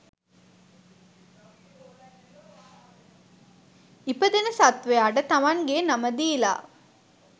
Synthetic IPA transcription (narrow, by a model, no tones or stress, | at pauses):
ipəd̪enəsat̪ʋeaɖət̪amaŋɡeːnaməd̪iːla̰ː